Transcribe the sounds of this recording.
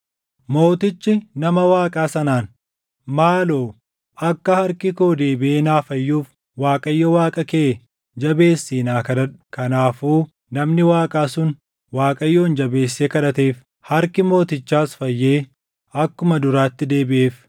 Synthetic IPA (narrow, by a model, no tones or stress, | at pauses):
mo̞ːt̪ɪt͡ʃːɪnɐmɐwaːkʼaːsɐnaːn | maːlo̞ː | ʔɐkːɐhɐɾkɪko̞ːd̪eːbɪʔeːnaːfɐjːuːf | waːkʼɐjːɔwaːkʼɐkeː | d͡ʒɐbe̞ːsːiːnaːkɐᶑɐᶑkɐnaːfuː | nɐmnɪwaːkʼaːsʊn | waːkʼɐjːoːnd͡ʒɐbe̞ːsːeːkɐᶑɐt̪eːf | hɐɾkɪmo̞ːt̪ɪt͡ʃːaːsfɐjːe̞ː | ɐkːʊmɐd̪ʊɾaːt̪ːɪd̪e̞ːbɪʔeːf